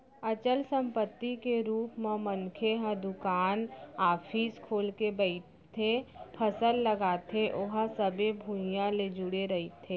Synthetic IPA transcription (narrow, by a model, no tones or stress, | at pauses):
ɐt͡ʃəlsə̃mpət̪ːikeɾuːpmẽmənkʰeɦə̃d̪ʊkaːnaːfʰiːskʰoːlkebəɪ | t̪ʰepʰəsəlːəɡaːt̪ʰeʔoɦəsəbebʱujãled͡ʒʊɽeɾɐit̪ʰeː